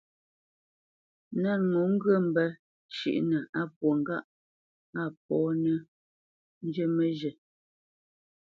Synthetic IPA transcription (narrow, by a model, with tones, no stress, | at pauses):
na˦˨ŋu˨˦ŋ̩˦ɡə˦˨m̩˨bɛ˦ | t͡ʃḭ˦˨ʔnə˨a˦˨pwo˨ŋ˨ɡa˦ʔ | a˦˨p̚ɔː˨˦nə˦ | n̩˦d͡ʒə˦mə˦ʒə˨